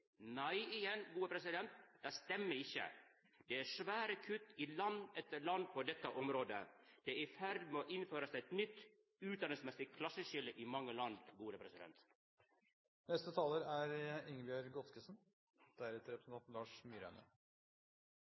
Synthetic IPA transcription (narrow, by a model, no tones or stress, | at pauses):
næɪɪjɛnɡuːəpʰɾɛsɪd̪ɛnt̪d̪æɪst̪ɛmːəɪçːə̰ | d̪̥ɛæʂʋæːɾəkʰʉt̪ːɪlɑnɛt̪ːəɭɑnd̪̚pʰɔd̪ɛt̪ːəʔɔmɾoːd̪ə̰d̪̥ɛʔɪfæɾd̪moːʔɪnføːɾəsæɛt̪nʏt̪ː | ʉːt̪d̪ɑnɪŋsmɛsɪkʰlɑsːəʃɪləʔɪmɑŋːəlɑnd̪ɡuːɾəpʰɾɛsɪd̪ɛ̰nt̪ | nɛst̪ət̪ʰɑːləɾæɾɪŋəbɪɑɾɡɔt̪kəsn | d̪̥æɾɛt̪əɾɛpɾəsən̩ɑnlɑːʂmyːɾæ̰nə̰